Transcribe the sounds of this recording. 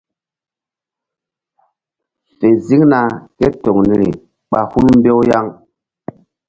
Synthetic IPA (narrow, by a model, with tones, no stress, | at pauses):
fe˨zi˦ŋna˨ke˦to˨ŋni˦ɾḭ˨ | ɓa˦hu˦nm˦be˦wja˦ŋ